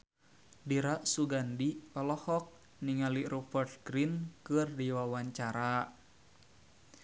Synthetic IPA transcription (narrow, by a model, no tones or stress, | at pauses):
diɾaʔsuɡandikɔlɔhɔk̚ | niŋaliɾufɛrt̪̚ɡɾinkɨrdiwawaɲt͡ʃaɾa